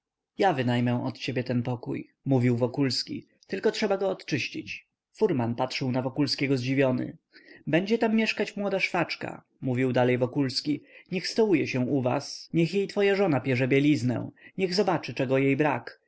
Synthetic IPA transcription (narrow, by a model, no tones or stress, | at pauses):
javɘnajmɛw̃ʔɔt̪t͡ɕebʲjɛt̪ɛnpɔkṵj | muvʲiwvɔkulskʲḭ | t̪ɘlkɔtʂɛbaɡɔːt̪t͡ʂɘɕit͡ɕ | fuɾmanpat̪ʂɨwnavɔkulskʲɛɡɔzd͡ʑivʲjɔnɘ̰ | bɛɲd͡ʑɛt̪amːjɛʂkat͡ɕmwɔd̪aʂfat͡ʂka̰ | muvʲiwd̪alɛjvɔkulskʲiɲɛxst̪ɔwujɛɕɛw̃uva̰sɲɛxjejt̪fɔjaʐɔnapʲjɛʐɛbʲjɛlʲiznɛ̰̃ɲɛɣzɔbat͡ʂɘt͡ʂɛɡɔjejbɾak